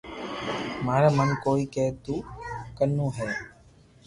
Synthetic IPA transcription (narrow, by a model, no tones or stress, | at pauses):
maːɾẽːmənkoːiːkeːt̪uːkənːũːɦɛː